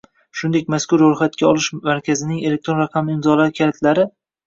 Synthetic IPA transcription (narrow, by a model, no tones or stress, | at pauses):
ʃʊnd̪e̞k̚ʲmaskʊɾːojχat̪̚kʲaɒlˠɪʃmaɾkʲʰazɪnɪŋe̞le̞k̚t̪ɾo̞nɾɑqʰɑmɪmzɒlaɾɪkʲʰaɾɪt̪ʰlaɾɪ